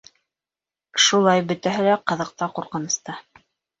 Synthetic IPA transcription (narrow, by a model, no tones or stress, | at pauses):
ʃulˠɑjbɵ̆t̪æɦælæqɤ̆ðɤ̆q̚t̪ɑquɾqɤ̆nɤ̆st̪ɑ